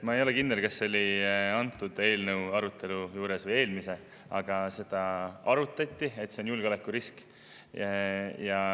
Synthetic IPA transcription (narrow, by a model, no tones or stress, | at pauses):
mɑe̞jo̞lekind̪e̞lkɑsːo̞lʲiɑnt̪ːˑud̪̥e̞ːlnəwɑɾut̪ːˑe̞lujuːɾe̞svɤje̞ːlmise̞ | ɑɡ̥ɑse̞d̪̥ɑɑɾut̪ːˑɑt̪ʲːˑie̞t̪se̞o̞njulɡ̥olekːuɾisk | jɑ